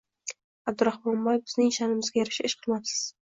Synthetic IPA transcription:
ab̚d̪ʊɾahmɒmbɒjfbɪznɪŋʃanɪmɪzɡʲajaɾɪʃɪɪʃqʰɨlˠmapsɪ̥z̥

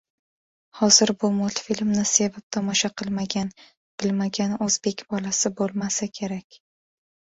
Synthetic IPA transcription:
hɒz̥ɪɾbʊmɒt̪filmnɪse̞vɪp̚t̪ʰɒmɒʃaqʰɨlˠmaɡʲan | b̥ɪlmaɡʲanɵzbe̞kʲbɒlasɪbolˠmasɪkʲʰe̞ɾakʲ

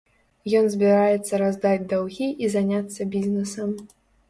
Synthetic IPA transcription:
jɔnzʲbʲiɾajɛt̪sːɐɾazd̪ad͡zʲd̪awɣʲiʔizanʲat̪sːɐbʲizʲnɛsɐm

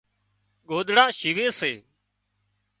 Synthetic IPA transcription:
ɠoːɗ̪ɽãːʃiʋeːseː

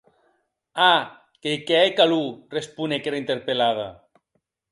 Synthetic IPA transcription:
a | kekɛekalurespunekeɾaint̪eɾpelaða̰

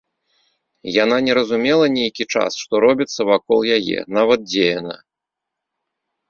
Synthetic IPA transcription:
jan̪anʲɛɾɐzumʲɛlˠɐnʲejkʲit͡ʂa̰sʂt̪ɔɾɔbʲit̪sːɐvakɔlˠjajɛ̰navɐt̪̚d͡zʲejɐnɐ̰

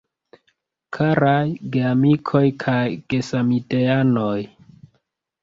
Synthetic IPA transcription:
kʰaɾajɡeamikʰo̞jkʰajɡ̥e̞samiteano̞j

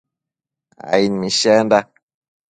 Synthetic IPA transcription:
a̰inmiʃanda

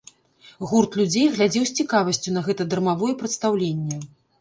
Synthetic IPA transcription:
ɣurt̪lʲud͡zʲejɣlʲad͡zʲɛwsʲt͡sʲikavɐsʲt͡sʲun̪ɐɣɛt̪ɐd̪ɐrmavɔjɛpɾɐt̪st̪awlʲenʲːɐ

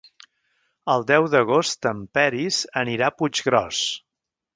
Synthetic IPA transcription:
əlˠd̪ɛwðəɣ̞ost̪əmpɛɾizəniɾapud͡ʒɣɾɔs

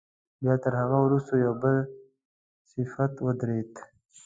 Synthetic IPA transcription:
bjɑt̪əɾɦaɣawɾust̪ojawbəl | sɪfat̪wəd̪ɾet̪

